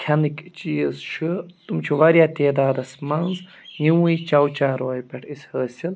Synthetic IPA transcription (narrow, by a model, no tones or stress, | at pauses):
kʲʰɐnikt͡ʃiːzt͡ʃʰɨt̪umt͡ʃʰiʋɐɾʲjaːt̪eːd̪aːd̪ɐsmɐnz | jiwuit͡ʃɐwt͡ʃaːɾoːjpʲɐʈʰisʲhəːsʲin